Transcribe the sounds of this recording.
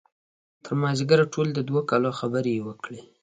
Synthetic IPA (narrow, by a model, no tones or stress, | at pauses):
t̪ʰəɾmɑzɪɡaɾʈʰold̪əd̪wakɑloxabəɾewəkɽi